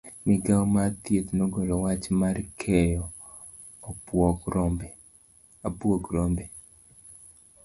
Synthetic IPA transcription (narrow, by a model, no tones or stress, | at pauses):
mɪɡawmat̪jet̪noɡolɔwat͡ʃmarkʰɛjɔː | pwɔkɾɔmbɛ | abwoɡɾombe